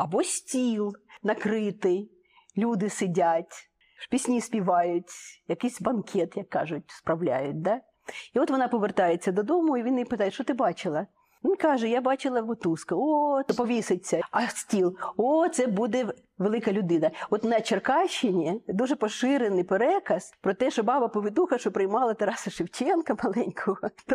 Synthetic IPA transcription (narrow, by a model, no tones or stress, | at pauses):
ɐbɔsʲtʲilˠnɐkɾɪt̪ɪj | lʲud̪ɪsɪdʲatʲ | pʲisʲnʲisʲpʲiʋɑjʊtʲjɐkɪjsʲbɐnkʲʰɛt̪jɐkːɑʒʊt̚ʲspɾɐwlʲa̰jʊt̚ʲd̪a | iɔt̪ʋɔnɑpɔʋert̪ɑjet͡sʲːɐd̪ɔd̪ɔmʊiʋʲinpɪt̪ɑjʃɔt̪ɪbɑt͡ʃɪlˠɐ | ʋinʲkɑʒɛjabɑt͡ʃɪlˠɐʋʊt̪uskɐopɔʋʲisɪt͡sʲːɐɐsʲtʲilˠot̪sɛbud̪ɛ | ʋelˠɪkɐlʲʊd̪ɪnɐɔt̪nɐt͡ʃerkɑʃːɪnʲid̪uʒɛpɔʃɪɾenɪjpeɾɛkɐspɾɔt̪ɛʃɔbɑbɐpɔʋɪd̪uxɐʃɔpɾɪjmɑlˠɐt̪ɐɾɑsɐʃɪwt͡ʃʲɛnkɐmɐlˠɛnʲkʰɔɦɔt̪